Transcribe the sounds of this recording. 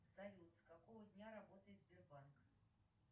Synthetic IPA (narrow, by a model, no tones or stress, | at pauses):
zavʲilˠt̪skakɔvəd̪ʲnʲaɾabɔt̪əjɪd̪zʲbʲɪrbank